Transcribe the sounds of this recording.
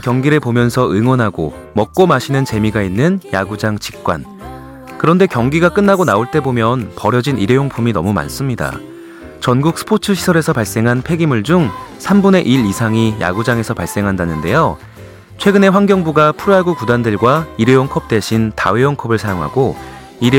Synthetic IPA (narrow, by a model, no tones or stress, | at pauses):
kjʌŋɡiɾɯɭpomjʌnsʰʌɯŋwʌnɦaɡo̰ | mʌk̚k͈omaɕʰinɯnt͡ɕe̞miɡainːɯnja̰ɡud͡ʑaŋt͡ɕi̥k̚k͈wa̰n | kɯɾʌnde̞kjʌŋɡiɡak͈ɯnːaɡonaoɭt͈e̞bomjʌnpʌɾjʌd͡ʑiniɾejoŋpʰuminʌ̰muma̰ns͈ɯmɲida̰ | t͡ɕʌnɡuk̚s͈ʰɯ̥pʰotʰɯɕʰi̥sʰʌɾe̞sʰʌpaɭs͈e̞ŋɦanpʰe̞ɡimuɭd͡ʑuŋsʰambune̞ʔiɾisʰaŋija̰ɡud͡ʑaŋe̞sʰʌpaɭs͈e̞ŋɦandanɯnde̞jo | t͡ɕʰwe̞ɡɯne̞ɸwaŋɡjʌŋbuɡapʰuɾaɡukudandɯɭɡwaiɾejoŋkʰʌp̚t͈we̞ɕʰinta̰wejoŋkʰʌbɯɭsʰajoŋɦa̰ɡo | iɾ